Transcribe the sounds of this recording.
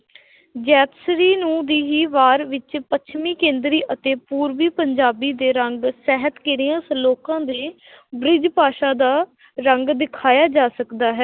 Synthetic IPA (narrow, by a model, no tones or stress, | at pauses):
d͡ʒɛːt̪sɾiːnũːd̪iːɦiːʋaːɾʋɪt͡ʃpətt͡ʃʰmiːkẽːnd̪ɾiːʔət̪eːpuːɾʋiːpəɲd͡ʒaːbiːd̪eːɾəŋɡsɛːɦət̪keɾiːãːsloːkãːd̪eː | bɾɪd͡ʒpaːʃaːd̪aː | ɾəŋɡd̪ɪkʰaːjaːd͡ʒaːsəkd̪aːɦɛː